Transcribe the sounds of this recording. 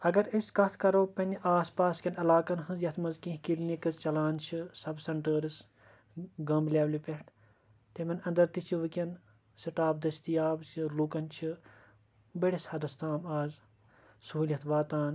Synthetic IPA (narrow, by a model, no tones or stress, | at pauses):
ɐɡɐɾɐskɐt̪ʰkɐɾoːpɐnʲiʔaːspaːskʲɐnɐlaːkɐnɦɨzjɐt̪ʰmɐzkĩhkilnʲikɨzt͡ʃɐlaːnt͡ʃʰisɐbsɐɳʈəːɾɨs | ɡɐmblʲeːʋlipeʈʰ | t̪emɐnɐ̃nd̪ɐɾt̪it͡ʃʰiʋɨkʲɐn | siʈaːbd̪ɐst̪ijaːbt͡ʃʰilukɐnt͡ʃʰi | bɐɽishɐd̪ɐst̪aːmaːz | suɦulʲɐt̪ʰʋaːt̪aːn